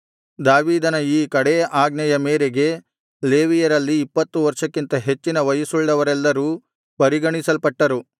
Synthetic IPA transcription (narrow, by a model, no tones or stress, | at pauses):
d̪aːʋiːd̪ɐnɐiːkɐɽeʔaːɡnɐjɐmeːɾeɡe̞ | le̞ːʋijɐɾɐlːiːpːɐt̪ːuʋɐɾʂɐkːint̪ɐɦe̞t͡ʃːinɐʋɐjɐsuɭɖɐʋɐɾɛlːɐɾuː | pɐɾiɡɐɳisɐlpɐʈːɐɾu